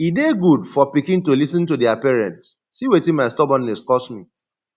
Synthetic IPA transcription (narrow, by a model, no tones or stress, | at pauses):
ideɡudfɔpikĩntolisɔ̃nt̬udɪapɛɹɛ̃ntsːiwetĩnmaɪstɔbɔ̃nːɛskɔsmi